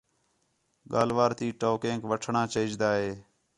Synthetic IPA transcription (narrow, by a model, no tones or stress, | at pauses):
ɠa̰ːlʋaːɾt̪iːʈoːkẽːŋkʋəʈʰɳãːt͡ʃeɪd͡ʒd̪aːɦeː